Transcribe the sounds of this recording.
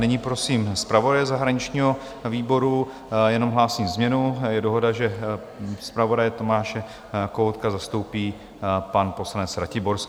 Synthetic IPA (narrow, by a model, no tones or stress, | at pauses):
nɛɲiːpɾo̞siːmspɾavo̞dajɛzaɦɾaɲɪt͡ʃɲiːɦo̞ | viːbo̞ɾu | jɛno̞mɦlaːsiːmzmɲɛnujɛdo̞ɦo̞daʒɛ | spɾavo̞dajɛt̪o̞maːʃɛ | kowt̪kazast̪o̞wpiː | panpo̞slanɛt͡sɾacɪboɾs